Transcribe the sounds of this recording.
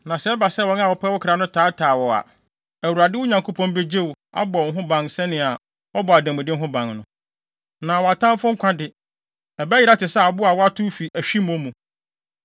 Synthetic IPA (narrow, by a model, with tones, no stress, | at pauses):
nã˨sɛ˨˦ɛ˦ba˨sɛ˦˨wɔ̃˨˦n˦a˦˨wɔ˨pʰɛ˦wʊ˦kʰɪ˨ɾa˨nʊ̃˦tʰaː˨˦tʰaː˨wɔ˨a̰˨ | æ˨wu˨ɾa˨dɪ˦ʊ˦ɲã˨ŋkʰo˦pʰɔ̃˦n˦be˦d͡ʑe˦w | a̰˦bɔ˨˦ɦʊ̃˦bã˨ŋsɛ˦nɪ̃˨a˨ | ɔ˦bɔ˨a˨dæ̃˨mɪ̃˨dɪ̃˦ŋ˦ɦʊ̃˦bã˨ŋnʊ̃˦ | nã˨wɔ˨a˨tʰã˦m˦fʊ̃˦ŋ̩˦kʷʰã˦dɪ˨ | ɛ˨bɛ˦jɪ˦ɾa˦tɪ˨sɛ˦a˨ɔ˨bʊ˦a˨wɔ˦a˦tʰʊ˦fi˨ʔæ˨ɕᶣi˦m̃˦ɔ˦mũ˨